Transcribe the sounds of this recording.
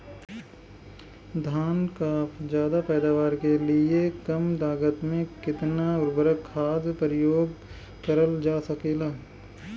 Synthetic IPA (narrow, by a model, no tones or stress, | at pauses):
d̪ʱaːnkaːpd͡ʒjaːd̪apɛːd̪aːʋaːɾkelɪekɐmd̪aːɡət̪mẽkɪt̪naʊɾbəɾəkʰːaːd̪pəɾɪjoːɡ | kɐɾəld͡ʒaːsɐkeːlaː